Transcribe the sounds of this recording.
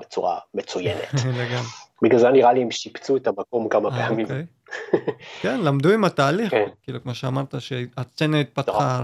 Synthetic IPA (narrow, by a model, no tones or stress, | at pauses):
bet͡suʁa̰met͡sujeneleɡambiɡlazeaniʁaliemʃipt͡suetamako̞mkamaeamimej | kenlamd̪uimat̪aːliχkiːlukmo̞ʃeamaʁt̪aʃeat͡senait̪̚pat̪χa